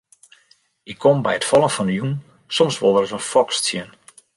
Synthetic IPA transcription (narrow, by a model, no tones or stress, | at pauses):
ɪkʰːombɛjətfɔlˠənfɔndəjun | sɔmsʋolˠdərətənfɔkstsjən